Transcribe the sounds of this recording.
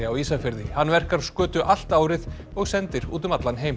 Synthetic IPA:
ɪawiːsafɪɾðɪhanːvɛr̥kaɾskœːt̪ʏʔal̥t̪aːwɾɪð | ɔɣsɛnt̪ɪɾṵːt̪̬ʏmat̪lanɦeːjm

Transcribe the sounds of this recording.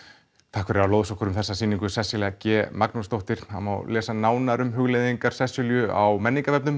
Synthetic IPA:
t̪ʰaːkfɛɾɪɾawloːwðsɔkʏɾʏmθɛsːasiːniŋkʏsɛsjʏlɛɣacɛːmaknust̪owht̪ɪɾ̥hama̰wlɛːsanaːwnaɾʏmɦʏɣleðiŋkaɾ̥sɛsʏljʏa̰wmɛnːiŋkavɛpnʏm

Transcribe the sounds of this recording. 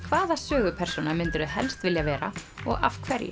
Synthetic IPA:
kʰvaːðasœːɣʏpʰɛɾr̥sunamʏnt̪ʏɾʏɦɛ̰lst̪vɪljavɛːɾa̰ɔ̰ɣa̰fkʰvɛɾjɪ̰

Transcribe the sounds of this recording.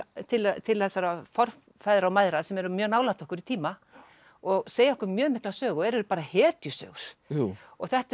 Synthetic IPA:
t̪ʰɪlt̪ʰɪlθɛsːaɾafɔr̥ | fajðɾaɔmaːjðɾasɛmɛɾʏmjœːɣnaːwlaht̪ɔhkʏɾit̪ʰiːma | ɔɣseːjaɔhkʏɾmjœːɣmɪhklasœːɣɔɛɾʏɾpaːɾahɛːt̪jʏsœ̰ːɣʏɾ̥ɔɣθɛht̪

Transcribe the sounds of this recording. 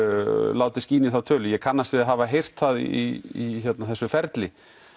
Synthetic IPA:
laːwt̪ɪsciːnɪθawt̪ʰœːlʏjɛkʰanːast̪vɪðaɦaːvaɦejr̥t̪θað̰iiçɛt̪naθɛsːʏfɛɾt̪lɪ

